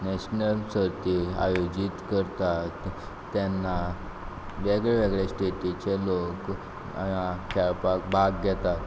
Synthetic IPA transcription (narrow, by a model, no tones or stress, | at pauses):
nɛɕnəlsəɾt̪ia̰jod͡ʑit̪kəɾt̪at̪ː | janːa | ʋeɡɭɛʋeɡɭesʈeʈit͡ɕelok | a̰akʰɛɭpak̚bʱaɡɡɛt̪at̪